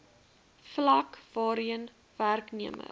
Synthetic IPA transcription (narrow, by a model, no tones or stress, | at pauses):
flɐkvɑːɾiən | værkniəmə̰